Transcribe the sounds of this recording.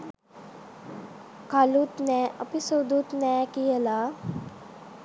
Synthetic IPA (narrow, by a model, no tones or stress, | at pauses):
kalut̪nɛːʔəpisod̪ut̪nɛːkijəla